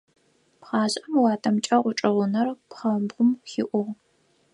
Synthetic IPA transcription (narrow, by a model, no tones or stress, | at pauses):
pχɑːʑʼɐmwɑːtʰɐmt͡ʃʼɐʁʷʊʈ͡ʂʼɐʁʷʊnɐrpχɐbʁʷʊmxɪʔʷʊʁ